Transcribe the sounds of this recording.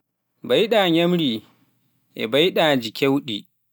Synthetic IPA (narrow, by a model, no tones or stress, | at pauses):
bajɗaːɲɐmɾi | ʔɛ̰bajɗaːd͡ʒikʰʲewɗḭ